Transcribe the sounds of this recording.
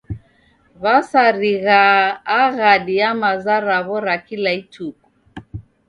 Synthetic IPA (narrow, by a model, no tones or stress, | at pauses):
βasaɾiɣaːɣaɗiamazaɾaβɔɾakilaitʰuku